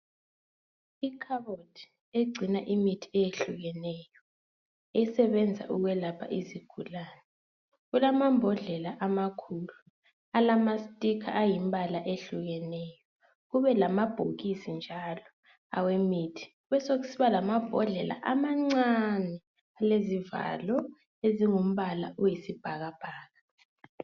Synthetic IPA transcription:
ikʰaβotʰi̥ | eɡ͡ǀʱinaʔimitʰi̥ɛjeɬuɣɛnɛːjɔ | ɛsɛβɛnd͡zʱa̰ʔuɣwɛlapʰa̰ʔiziɡ̥ʱulaːnɛ | ɣulamambʱɔɮɛlaʔamakʰulu | alamasitʼikʰaʔajimbʱalaʔeɬuɣɛnɛjɔ | ɣuβɛlamab̥ʱoɣisind͡ʒʱalɔ | a̰wemitʰi̥ | uβɛsoɣusiβalamab̥ʱɔɮɛla̰ʔamaŋ͡ǀanɛ | aleziva̰lɔ | eziŋum̩βala̰ujisib̥ʱaɣab̥ʱaːɣa

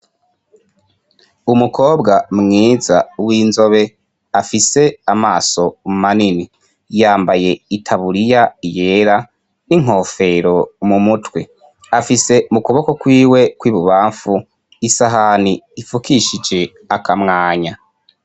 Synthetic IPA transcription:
umukʰo̞ːbɡamŋiːzawiːnzo̞βe̞ | afise̞amaːso̞mmanini | jaːmbaje̞itʰaβuɾijaije̞ːɾa | niŋ̥o̞ːfe̞ɾo̞mumutwe | afise̞mukoβo̞ko̞kwiːwe̞kwiːβuβaːɱfu | isaɦaniifukiʃid͡ʒe̞ | akamŋaːɲa

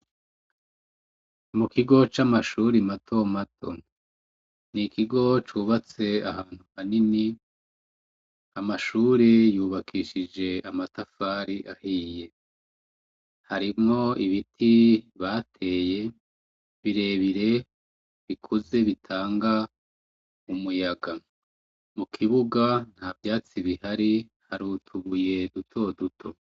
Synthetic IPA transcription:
mukiɡo̞t͡ʃamaʃuːɾimatʰo̞matʰo̞̰ | nikʰiɡo̞t͡ʃuːβat͡se̞ahaːn̥huhanini | amaʃuːɾejuːβakʰiːʃid͡ʒe̞amatafaɾiʔahiːje̞ | haɾimŋo̞iβitʰiβatʰe̞ːje̞ | βiɾe̞ːβiɾe̞ | βikʰuze̞βitʰaːŋɡa | umujaɡa | mukʰiβuɡan̥havjaːt͡siβihaɾi | haɾuːtʰuβuje̞dutʰo̞dutʰo̞

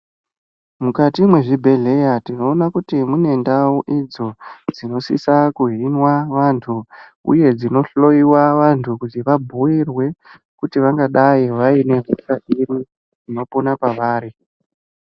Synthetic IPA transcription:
mukatimwe̞ʐibʱe̞ɮe̞jatino̞ːnakutimune̞ndawuʔid͡zo̞d͡zino̞sisakuɦinwaʋantʰuṵje̞d͡zino̞ɬo̞iwaʋantʰukutiʋabʱuirwe̞ | kutiʋaŋɡaɗaiʋaine̞ɦusaʔirwi | ino̞ponapaʋaːɾi

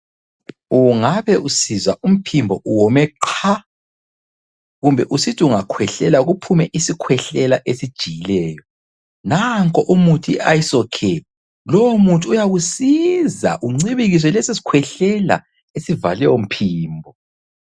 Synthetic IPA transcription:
uŋaβɛʔusizaum̩pʰimbʱɔʔuwɔmɛǃʰa | ɣumbʱɛʔusitʰiuŋakʰwɛɬɛlaɣupʰumɛʔisikʰwɛɬɛlaʔesid̥ʒ̥ʱijilɛːjɔ | naŋkʼɔʔumutʰiʔajisɔkʰɛ | lɔwomutʼuːjaɣusiza̰ʔuŋ͡ǀiβiɣis̬ɔlɛsisi̥kʰwɛɬɛla̰ | esiva̰lɛjom̩pʰiːmbʱɔ

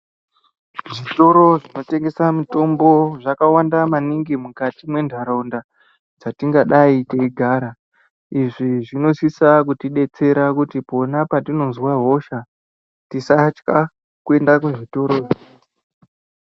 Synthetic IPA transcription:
ʐito̞ɾo̞ʐino̞te̞ŋɡe̞samuto̞mbo̞ʐakawandamaniŋɡimukatimwe̞ndʱaɾaunda | d͡zatiŋɡaɗaiteiɡʱaːɾa | iʐiʐino̞sisakutiɗe̞t͡se̞ɾakutipo̞napatino̞nzwaɦo̞ʃa | tisat͡ʃka | kue̞ndakuʐito̞ɾo̞ː

